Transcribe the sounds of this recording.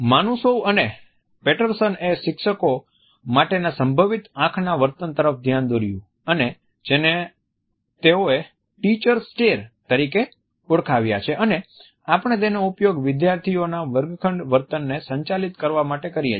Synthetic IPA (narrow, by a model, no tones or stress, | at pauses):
manusoʋəne | peʈəɾsəneʃɪkʃəko | maʈenasəmbʱəʋit̪ãkʰnaʋəɾt̪ənt̪əɾəfd̪ʱjand̪oɾjũ | əne | d͡ʒene | t̪eoe | ʈit͡ʃəɾsʈeɾt̪əɾike | uɽkʰaʋjat͡ʃʰeʔəne | apəɳ̃et̪̬enoupjoɡʋɪd̪jaɾt̪ʰionaʋəɾɡkʰəɳɖʋəɾt̪ənːesəɲt͡ʃalit̪kəɾʋamaʈekəɾija